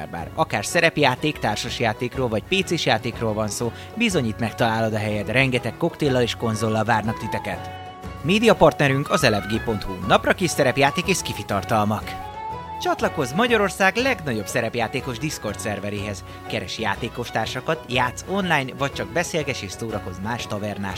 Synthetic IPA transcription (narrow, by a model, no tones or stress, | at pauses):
ba̰ːrɒkaːrsɛɾɛpjaːt̪eːkt̪aːrʃɒʃjaːt̪eːkroːlvɒcpeːt̪seːʃjaːt̪eːkroːlvɒnsoː | bizo̞ɲiːt̪mɛkt̪ɒlaːlo̞d̪ɒɦɛjɛt̪rɛŋɡɛt̪ɛkːo̞kt̪eːlːɒleːʃko̞nzolːɒlvaːrnɒkt̪it̪ɛkɛt̪ | meːd̪ijɒpɒrt̪nɛɾyŋkɒzɛlɛvɡeːpo̞nt̪hṵnɒprɒkeːʃsɛɾɛpjaːt̪eːkeːʃkifit̪ɒrt̪ɒlmɒk | t͡ʃɒt̪lɒko̞zmɒɟɒɾo̞rsaːɡlɛɡnɒɟo̞bsɛɾɛpjaːt̪eːko̞ʒd̪isko̞rt̪sɛrvɛɾeːɦɛz̥ | kɛɾɛʃja̰ːt̪eːko̞ʃt̪aːrʃɒkɒt̪jaːt̪so̞nlaːjnvɒc̚t͡ʃɒɡ̚bɛseːlɡɛʃeːʃsoːɾɒko̞zmaːʃt̪ɒvɛrna̰ːʃ